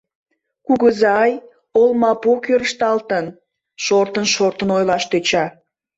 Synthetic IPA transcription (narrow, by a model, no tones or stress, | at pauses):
kuɣəzɑj | olmɑpokøɾəʃt̪ɑlt̪ən | ʃort̪ənʃort̪ənojlɑʃt̪øt͡ɕɑ